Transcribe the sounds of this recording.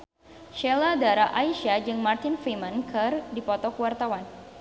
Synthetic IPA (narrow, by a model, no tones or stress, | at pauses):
ʃɛladaɾaʔaiʃad͡ʒɨŋmart̪ɪnfimankʰɨrdipɔt̪ɔkəwart̪awan